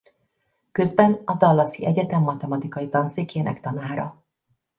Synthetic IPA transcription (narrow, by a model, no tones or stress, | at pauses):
kø̞zbɛnɒd̪ɒlːɒsiʔɛɟɛt̪ɛmːɒt̪ɛmɒt̪ikɒjit̪ɒnsikʰeːnʔɛ̰kt̪ɒnaːɾɒ̰